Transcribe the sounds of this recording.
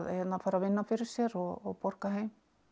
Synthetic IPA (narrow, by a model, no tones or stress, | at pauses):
ðjɛt̪nafaːɾavɪnːafɪɾɪɾ̥sjɛɾɔɣɔɣpɔɾ̥kaɦejm